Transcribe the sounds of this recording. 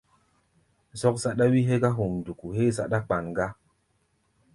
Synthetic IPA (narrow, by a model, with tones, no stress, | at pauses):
zɔ˦kza˦ɗa˦wi˦ɦe˦ɡa˦ɦu˨mdu˨ku˨ɦe˦za˦ɗa˦k͡pa˨nɡa˦